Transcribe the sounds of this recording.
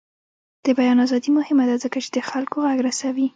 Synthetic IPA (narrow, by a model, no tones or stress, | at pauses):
d̪̥əbajɑnazɑd̪imʊhɪmad̪azəkat͡ʃe̥d̪əxalkoɣaɡɾasawi